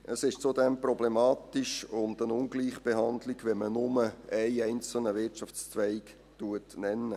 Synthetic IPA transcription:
ʔəsɪʃt͡sodɛmprɔblemɑːtɪʃʊndənʊŋɡliːχb̥eɦɑndlɪɡʋɛmənʊməɛɪɛɪnt͡sl̩nəvɪtt͡ʃɑft͡st͡svɛɪk | tuətnɛnːə

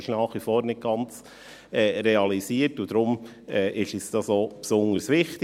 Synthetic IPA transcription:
ɪʃnɑːχʋifoːɾnɪt̚ɡ̥ɑnt͡s | ɛːɾɛɑlisiːəɾtʊd̥̪ɾʊm | ɛːʔɪʃɪsd̥ɑsoːpsʊnəɾsʋɪχtɪ

